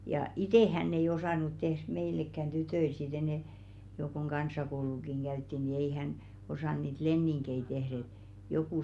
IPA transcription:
jɑ iteˑ hænː ei osɑˑnu tehr̥ meilekːæn tytøil sit enɛ jo koŋ kɑnsˑɑkoulukiŋ ɡ̊æytːi ni ei hæn osɑˑn niːt lenːiŋkei tehr et jokuˑ

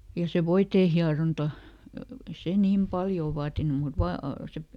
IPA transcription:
jɑ se ʋoiteː hiɑrontɑ ĕĭ se niːm pɑljoˑ ʋɑːtinu mut ʋɑː se

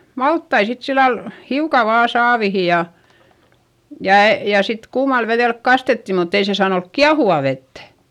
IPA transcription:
mɑltːɑi sit silːɑl hiukɑ ʋɑː sɑːʋihi jɑ jɑ jɑˑ sit kuːmɑl ʋeðeˑlk kɑstetːi mutː ei se sɑːn olk kiɑhuʋɑˑ ʋetːæ̥

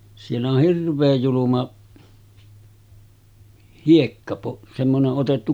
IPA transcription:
sielː oh hirʋˑeːj julumɑ hiekːɑpo semːoneʔ ʔotetːu

